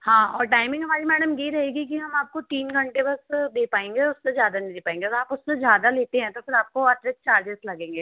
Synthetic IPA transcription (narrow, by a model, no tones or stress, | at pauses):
hãːɔːɾʈaːɪmɪ̃ŋɡɦɐmaːɾimɛːɽəmjɐɦiɾɐɦeːɡik̬iɦɐmaːp̚kot̪iːnɡʱɐ̃ɳʈebɐsd̪eːpaːẽːŋɡeʊsːezjaːd̪anɐid̪eːpaːẽːŋɡeaːpʊsːezjaːd̪aleːt̪eɦɛ̃t̪ofɪɾaːp̚koɐʈɾest͡ʃaːɾd͡ʒeslɐɡẽːŋɡeː